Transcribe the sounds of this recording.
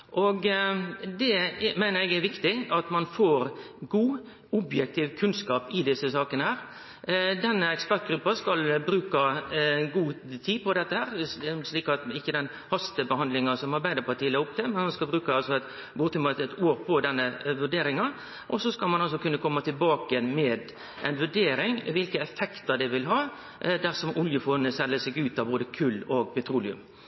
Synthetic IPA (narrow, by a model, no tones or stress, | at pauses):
ʔɔɡ | d̪ɛmæɪnəɾɛɡæʋɪkt̪ɪɑt̪mɑnfoːɾ | ɡuː | ʊbjɛk̚t̪ʰɪʋkʰʉnskɑːpɪd̪ɪsəsɑːkənəhæːɾ | d̪ɛnːəɛkspæʈ̪̚ɡɾʉpːɑskɑlbɾʉːkɑɡuː | t̪ʰiːpʰɔd̪ɛt̪ːəhæːɾsliːkɑt̪ɪçːəd̪ɛn | hɑst̪əbəhɑnd̪lɪŋɑsɔmɑɾbæɪd̪əpʰɑt̪ʰiːəlɛʊp̚t̪ʰɛmɛnhɑnskɑlbɾʉːkəɑlsɔɛt̪ | buːt̪ʊmɑt̪ɛt̪oːɾpʰɔd̪ɛnːəʋʉɖeːɾɪŋɑ | ʔɔsɔskɑlmɑnɑlsɔkʉnːəkʰɔmːɑt̪ʰɪlbɑːkəənmɛːd̪ | ʔɛɪnʋʉɖeːɾɪŋʋɪlkəɛfɛkt̪əɾd̪ɛʋɪlɦɑː | d̪æɾsɔmʔʊljəfɔːnəsɛlːəsɛɡʉːt̪ɑboːd̪əkʰʉlːoɡpɛt̪ʰɾuːlɪʉ̰m